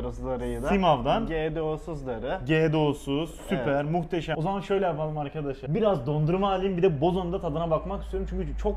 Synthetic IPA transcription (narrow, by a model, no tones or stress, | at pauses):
ɾasɯd̪aɾajɯd̪simavd̪anɟeːd̪osuzd̪aɾɯɟeːd̪o̞suz̥sypʰæɾmuxt̪ʰeʃæo̞zamanʃø̞jlʲɛjapʰalˠɯmaɾkʰad̪aʃɯbiɾazd̪o̞nd̪uɾumaːlʲimbid̪ɛbo̞zond̪at̪ʰad̪ɯnabakmakist̪ʰijoɾumt͡ʃʰyɲʲcʰyt͡ʃʰo̞k